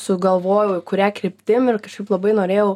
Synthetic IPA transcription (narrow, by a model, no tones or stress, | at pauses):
sʊɡɐlˠʋoːjɛʊɪkʊɾʲæːkɾʲɪpʲt̪ʲɪmɪrkɐʃkɐɪplˠɐbɐɪnoːɾʲeːjɛʊ